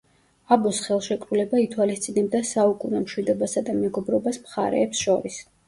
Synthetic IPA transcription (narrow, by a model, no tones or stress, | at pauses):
abɔsχɛlˠʃɛkʼɾulɛbait̪ʰwalist̪sʼinɛb̚d̪asaukʼunɛmʃwid̪ɔbasad̪amɛɡɔbɾɔbasmχa̰ɾɛ̰ːpsʃɔɾis